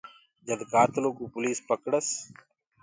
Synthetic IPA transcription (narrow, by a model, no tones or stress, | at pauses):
d͡ʒəd̪kaːt̪loːkuːpʊliːspəkɽəs